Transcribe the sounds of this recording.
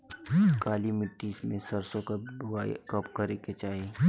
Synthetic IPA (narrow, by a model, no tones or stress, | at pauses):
kaːlimɪʈːismẽsɐɾsõkakɐpkɐɾeket͡ʃaːɦe